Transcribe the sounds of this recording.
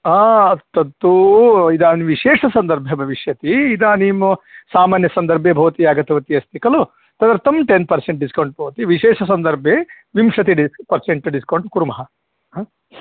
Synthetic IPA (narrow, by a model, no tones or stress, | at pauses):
aːt̪ɐt̪ːuid̪aːnʋiʃeːʂɐsɐnd̪ɐɾbʱɐbʱɐʋiʂjɐt̪iid̪aːniːmsaːmaːnjɐsɐnd̪ɐɾbʱeːbʱɐʋɐt̪iaːɡɐt̪ɐʋɐt̪iɐst̪ikɐlu | t̪ɐd̪ɐɾt̪ɐmʈenpɐɾseɳʈ̚ɖiskɐwɳʈ̚bʱɐʋɐt̪iʋiʃeːʂɐs̬ɐnd̪ɐɾbʱe | ʋimʂɐt̪iɖipɐɾseɳʈɖiskɐwɳʈkuɾumɐɦɐ